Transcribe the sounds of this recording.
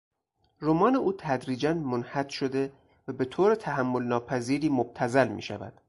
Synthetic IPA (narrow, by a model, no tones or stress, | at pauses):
ɾomɒːne̞ʔuːt̪ʰæd̪ɾiːd͡ʒænmonhæt̪ʃod̪e̞ | væbe̞t̪ʰoːɾet̪ʰæhæmːo̞lnɒːpʰæziːɾiːmob̥̚t̪ʰæzælmḭːʃæ̰væ̰d̪̥